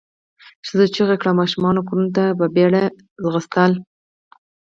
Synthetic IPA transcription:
ʃəzət͡ʃiɣakɽamɑʃumɑnokuɾunt̪ababeɽa | zɣəst̪al

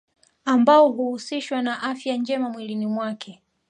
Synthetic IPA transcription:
ambaɔɦuhusiʃwanaʔafjand͡ʒɛmamwilinimwakʰɛ

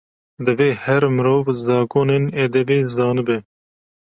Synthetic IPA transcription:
d̪ɨveːhɛɾmɨɾoːvzɑːkoːnened̪ɛbeːzɑːnɨbɨ

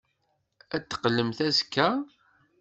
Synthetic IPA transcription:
æt̪ːə̥qːlːəmθæzkːæ

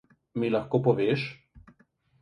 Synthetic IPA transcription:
milɐxkoːpɔʋeːʃ

